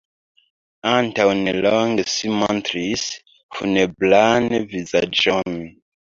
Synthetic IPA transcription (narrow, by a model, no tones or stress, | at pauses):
ãntawnelɔŋɡesimɔ̃ntɾis | funeblanvizad͡ʒɔn